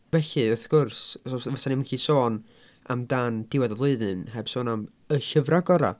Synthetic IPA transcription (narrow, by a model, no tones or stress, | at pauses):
vɛɬɨʊθɡ̥ʊrssɔvasanɪmənkʰiːsoːn | a̰mdand̥ɪwɛðəvlˠɨɨðɨnhɛb̥soːnam | əɬəvraɡɔɾa̰